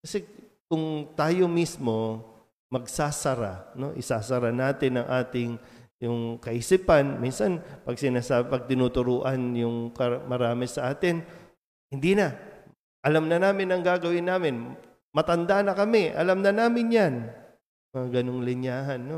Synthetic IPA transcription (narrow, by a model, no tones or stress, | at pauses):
kɐsɛkʊŋt̪aːjo̞mismo̞ | mɐɡsaːsɐɾa̰no̞ʔɪsaːsɐɾanaːt̪ɪnɐŋʔaːt̪ɪŋjʊŋkɐʔisiːpɐnminsɐnpɐɡ̚sɪnaːsaːbpɐɡ̚t̪ɪnuːt̪ʊɾuːʔɐnjʊŋkɐmɐɾaːmɪsɐʔaːt̪ɪn | hɪnd̪iːnɐ | ʔɐlamnɐnaːmɪnɐŋɡaːɡɐwɪnːaːmɪn | mɐt̪ɐnd̪anɐkɐmɛʔɐ̰lamnɐnaːmɪnjan | mɐŋaɡɐnoŋlɪɲjaːɦɐnːo